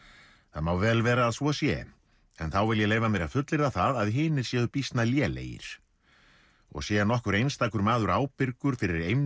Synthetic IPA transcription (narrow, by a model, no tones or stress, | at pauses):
θaðmawvɛːlvɛːɾaːðsvɔasjɛ̰ | ɛnθawvɪljɛleːjvamɛɾaðfʏt̪lɪɾðaθaðaðɦɪːnɪɾ̥sjɛːðʏpist̪naljɛːlḛːjɪ̰ɾ̥ | ɔ̰ɣsjɛnɔhkʏɾejnst̪aːkʏɾmaːðʏɾaːwpɪɾkʏɾ̥fɪɾɪɾejm